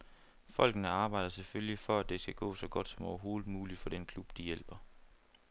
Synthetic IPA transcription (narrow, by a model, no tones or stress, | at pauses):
fɒ̽l̰ɡ̥nəɑ̈ːb̥ɑ̈ɪ̰d̥ɐseføljifɒæd̥e̝sɡ̥æɡ̥ɔ̰̽ːsɒ̽ɡ̥ɒ̽d̥sɒ̽mɒʊɐɦo̝ːðˠð̩ˠmuːlid̥fɒ̽d̥enkʰlub̥d̥ijel̰b̥ɐ